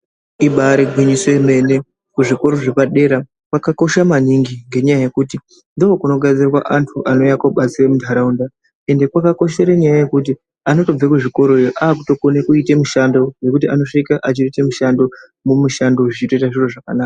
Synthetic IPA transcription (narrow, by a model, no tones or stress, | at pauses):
iɓaɾeɡʱwiɲisweme̞ne̞ | kuʐiko̞ɾo̞ʐepaɗe̞ɾa | kwakako̞ʃamaniŋɡiŋɡe̞ɲajaje̞kuti | ndookuno̞ɡad͡zirwa̰ʔantʰuʔano̞jakoɓat͡siremudʱaɾaunda | e̞nde̞kwakako̞ʃe̞ɾeɲajaje̞kuti | ano̞to̞b͡vekuʐiko̞ɾo̞ejoʔaːkuto̞konekuitemuʃando̞je̞kutiano̞ʂikaʔat͡ʃiitemuʃando̞ | mumuʃandoʐit͡ʃito̞itaʐiroʐakanaːka